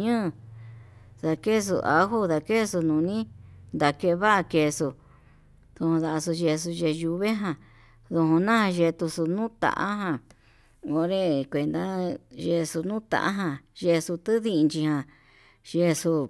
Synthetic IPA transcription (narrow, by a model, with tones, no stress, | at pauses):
ɲɨ̃ː˦˧ | ða˧ke˦˧s̬ṵ˧ʔa̰˧˦ɦu˦ða˧ke˦˧su˧nũ˨nĩ˦nd̪a˨ke˧βa˦ʔa˧ke˧su˧ | ðũ˧hũ˧ða˧ʔsu˧ʒe˧s̬u˧ʒe˧ju˧βe˦ɦã˧ | ðu˧hũ˧nã˦hã˧ʒe˧t̪u˧su˧nũ˦t̪a̰˧˨ʔa̰˦ɦã˧˨ | o˧ɾe˧kʷe˨nd̪a˦ʒe˧su˧nũː˦t̪a̰˧ʔa̰˦ɦã˧ʒe˧su˧t̪ɨ˦ði˦˧nd͡ʒi˧hã˧ | ʒe˧su˧